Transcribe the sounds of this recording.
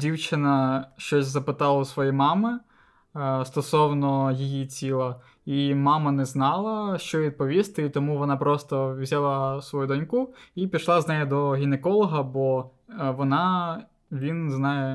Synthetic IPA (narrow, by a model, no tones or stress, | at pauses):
dʲiwt͡ʃɪnɐʃt͡ʃɔsʲzɐpɪt̪ɑlˠɐʊsʋɔjimɑmɪ | st̪ɔsɔwnɔjijit͡sʲilˠɐ | imɑmɐnɛznɑlˠɐʃt͡ʃɔʋʲid̪̚pɔʋʲist̪ɪit̪ɔmuʋɔnɑpɾɔst̪ɔwzʲalˠɐsʋɔjud̪ɔnʲkuipʲiʃlˠɑznɛjɛd̪ɔɦʲinekɔlˠɔɦɐbɔʋɔnɑ | ʋʲinznɑjɛ